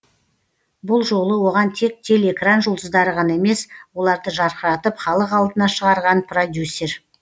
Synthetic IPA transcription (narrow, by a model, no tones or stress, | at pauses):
bʊlˠʒo̞lˠəwo̞ʁɑnt̪ʰe̞k̚t̪ʰʲe̞le̞kranʒolˠd̪əzd̪ɑɾəʁɑnɑe̞me̞swo̞lˠɑɾd̪əʒɑɾqəɾɑt̪əpχɑlˠəqɑlˠd̪ənɑʃəʁɑɾʁɑnpʰrod̪ʲjusʲːe̞r